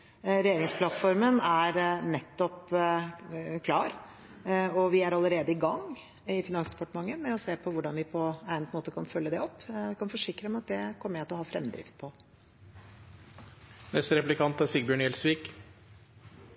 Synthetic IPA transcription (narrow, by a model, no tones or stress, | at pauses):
ɾɛjeːɾɪŋspʰlɑt̪fɔɾmənæɾnɛt̪ːɔp | kʰlɑːɾ | ɔʋɪæɾɑlːəɾeːd̪əɪɡɑŋː | ɪfɪnɑŋsd̪ɛ̥pɑʈəmɑŋːəmɛɔseːpʰɔʋʊɖɑnʋɪpʰɔæɪnmoːt̪əkʰɑnfœlːəd̪ɛɔp̪ːɛkʰɑnfɔʂɪkɾəmɛɑt̪̚d̪ɛkʰɔmːəæɑt̪ɔhɑfɾɛ̰mːd̪ɾɪ̰ft̪̚pʰɔ | nɛst̪əɾɛplɪkʰɑnt̪æɾsiːɡbjøːɳjɛlsʋiːk